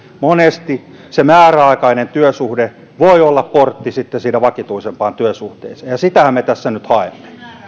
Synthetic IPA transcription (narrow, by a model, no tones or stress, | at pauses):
monest̪i | semæːræɑikɑinent̪yøsuhde | ʋoiolːɑpport̪ːisit̪ːesiːnæʋɑkit̪uisempɑːnt̪yøsuht̪ḛiseːjɑsit̪æhæmmet̪æsːænyt̪hɑemːe̥